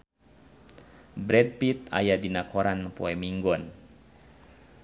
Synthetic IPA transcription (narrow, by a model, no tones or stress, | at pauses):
bɾɛd̚pit̪a̰jadinakʰɔɾanpɔɛmiŋɡɔn